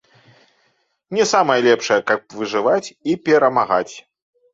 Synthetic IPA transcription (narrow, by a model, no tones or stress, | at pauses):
nʲɛsamɐjɐlʲɛpʂɐjɐkɐp̚vɨʐɨvat͡sʲipʲɛɾɐmaɣa̰t͡sʲ